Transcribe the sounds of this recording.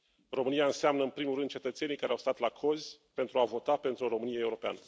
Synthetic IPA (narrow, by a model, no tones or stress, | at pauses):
ro̞mɨnijaɨnseamnəɨnpɾimurɨnd̪̚t͡ʃe̞t̪ət̪se̞nijkaɾeawst̪at̪lakʰo̞zʲpe̞nt̪ɾuavo̞t̪ape̞nt̪ɾuɾo̞mɨnijeeuɾo̞pea̰nə